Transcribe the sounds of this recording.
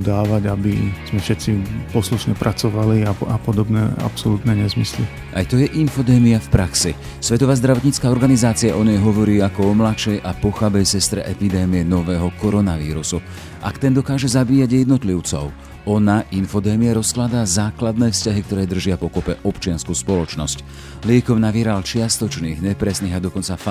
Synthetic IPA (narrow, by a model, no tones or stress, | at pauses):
d̪aːʋaɟabiz̥mɛfʃɛt̪t͡sipɔsluʃɲɛpɾat͡sɔʋaliaa̰pɔd̪ɔbnɛ̰a̰psɔlut̪nɛɲɛzmislḭ | ʔa̰jt̪ɔjɛʔinfɔd̪ɛːmiafpɾaksi | sʋɛt̪ɔʋaːzd̪ɾaʋɔt̪ɲit͡skaːɔɾɡanizaːt͡siaʔɔɲɛjɦɔʋɔɾiːakɔɔmlaʃɛjʔapɔxabɛjsɛst̪ɾɛ̰ʔɛpid̪ɛːmijɛnɔʋɛːɦɔkɔɾɔnaʋḭːɾusu | ʔa̰kt̪ɛnd̪ɔkaːʒɛzabiːjaɟjɛd̪nɔt̪liʊt͡sɔ̰ʊ | ɔnaʔinfɔd̪ɛːmiaɾɔsklad̪azaːklad̪nɛːfscaɦik̚t̪ɔɾɛːd̪r̩ʒɪapɔkɔpɛʔɔpt͡ʃɪanskuːspɔlɔt͡ʃnɔsc | lɪɛkɔʊnaʋiːɾalt͡ʃɪast̪ɔt͡ʃniːɣɲɛpɾɛsniːɣad̪ɔkɔnt͡saf